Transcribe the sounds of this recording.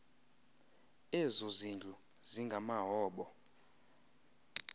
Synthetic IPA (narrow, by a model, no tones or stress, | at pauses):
ezozind͡ɮʱu | ziŋɡʱamaɦɔːɓɔ